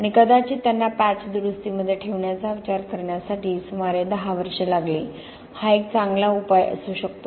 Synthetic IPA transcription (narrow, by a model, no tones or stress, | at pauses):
aɽ̃ikəd̪at͡ɕiːt̪anːapat͡sd̪uɾust̪iməd̪ʱːjeʈʰeʋɳjat͡saʋit͡ɕaɾkəɾɳjasaʈiːsumaɾed̪əɦaʋəɾʂelaɡliː | haek̚t͡saŋɡlaupajə̰suːɕəkt̪o